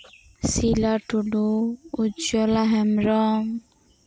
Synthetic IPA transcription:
silaʈʰuɖuud͡ʒɔlaɦɛmɾɔŋ

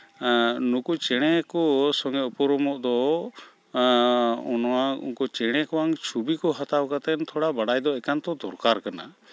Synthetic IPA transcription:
nukut͡ʃɛɽ̃ɛkɔsɔŋɡɛɔpɔɾɔmɔʔd̪ɔ | unwaṵnkɔt͡ʃɛɽ̃ɛkɔwaŋt͡ʃʰubikɔɦat̪awkat̪ɛnt̪ʰɔɽabaɽajd̪ɔɛkant̪ɔd̪ɔɾkaɾkana̰

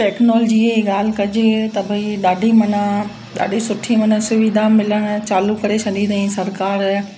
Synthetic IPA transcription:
ʈeːknoːld͡ʑieiɡaːl̤kɐd͡ʒet̪ɐbʱɐiɗaːɖʱimɐnə | ɗa̰ːɖʱisʊʈʰimɐnəsʊʋid̪ʱamɪləñt͡ɕaːlukɐɾet͡ɕʰɐnĩd̪ɐĩsɐɾkaːɾ

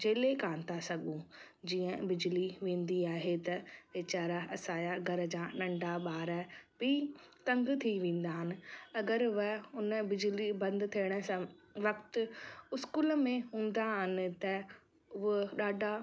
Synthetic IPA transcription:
d͡ʑeːlekãːnt̪asɐɡũ | d͡ʑiːə̃bɪd͡ʑliʋẽːnd̪iaːɦet̪ɐʋet͡ɕaːɾaɐsaːjaɡɐɾə̆d͡ʑãnɐ̃ɳɖʱaɓaːɾəbɪt̪ɐ̃ŋɡt̪ʰiʋẽːn̆d̪aːɦɪnɪ̆ɐɡəɾʋəʊnəbɪd͡ʑlibɐ̃nd̪t̪ʰiɪɽ̃ə̆sãʋɐkt̪ʊʊskuːlmẽɦũːn̆d̪aɦɪnɪ̆t̪ɐ | ʊɦəɗaːɖʱa

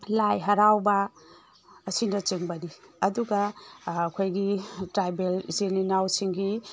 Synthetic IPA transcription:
lajɦɐɾawbɐː | sindɐt͡ʃeŋbɐniɐduɡɐːkʰojɡitɾajbelzelinawsiŋɡi

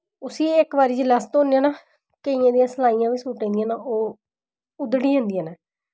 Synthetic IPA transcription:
ʊsiːɪkbaːɾiːd͡ʒlast̪õːnejãːnaː | kəijãːd̪ijãːsəlaːijãːʋiːsuːʈẽːd̪ijãːnaːʔoː | ʊd̪ɽiːɦə̃ːnd̪ijãːnaː

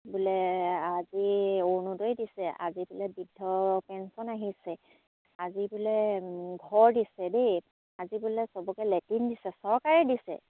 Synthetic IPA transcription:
bʊlɛazionudojdisɛʔa̰zibʊlɛbidʱːɔpɛnsɔnaɦisɛ | azibʊlɛɡʱɔɹdisɛdej | azibʊlɛsɔbɔkɛlɛtindisɛsɔɹkaɹɛdisɛ̰

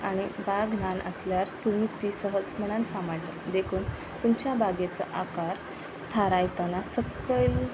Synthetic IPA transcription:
aɽ̃ibaɡʱnanʔə̰sljaɾt̪um̤iːt̪isəɦəd͡zməɽ̃ansaməɭt̪əd̪ekʰuːn | t̪umt͡ɕjabʱaɡet͡sə̰ʔakaɾ | t̪ʰaɾajt̪anasəkəjl

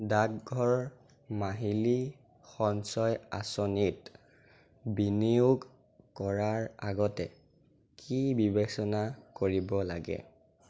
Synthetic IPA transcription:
dakɡʱɔɹ | maɦili | xɔnsɔjasonit | biniuɡ | kɔɹaɹa̰ɡɔtɛ | kʰibibɛksɔnakoɹibɔlaɡɛ̰

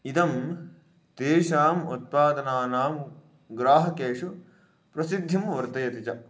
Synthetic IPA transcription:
id̪ɐm | t̪eːʃaːmut̪̚paːd̪ɐnaːnaːm | ɡɾaːɦɐkeːʂu | pɾɐsid̪ʱːimʋɐɾt̪ɐjɐt̪it͡ʃɐ

